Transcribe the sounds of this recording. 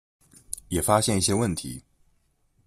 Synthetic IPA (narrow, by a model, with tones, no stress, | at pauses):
jɛ˨˩fa˥ɕjɛ˥˧ni˥˩ɕjɛ˥wə˥˩nt̪ʰḭ˨˧˦